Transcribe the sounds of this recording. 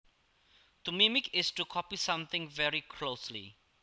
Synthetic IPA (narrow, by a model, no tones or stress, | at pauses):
d̪əmimikistukʰɔpisãmθɪ̃ŋvɛɹikʰloslḭ